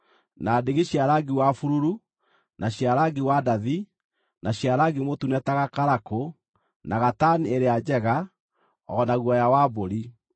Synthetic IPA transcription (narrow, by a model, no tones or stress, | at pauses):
nadeɣeɕjaɾaɡiwafuɾuɾu | naɕjaɾaɡiwadaði | naɕiaɾaɡemotunɛtaɣakaɾako | naɣatanieɾead͡ʒɛɣa | ɔnaɣwɔjawaboɾi